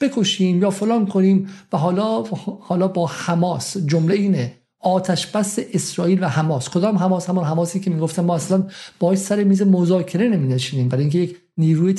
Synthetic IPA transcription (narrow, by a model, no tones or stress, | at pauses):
b̥e̞kʰo̞ʃiːmjɒːfolɒːnkʰoniːmvæɦɒːlɒːhɒːlɒːbɒːhæmɒːsd͡ʒomleiːne | ɒːt̪ʰæʃb̥æseʔesɾɒːiːlvæhæmɒːskʰod̪ɒːmɦæmɒːshæmɔnɦæmɒːsiːcʰe̞miːɡoft̪æmmɒːæslænb̥ɒːeʃsæɾemiːzemozɒːcʰe̞ɾe̞nemiːneʃiːniːmbæɾɔːjiŋcʰejec | niːɾuːje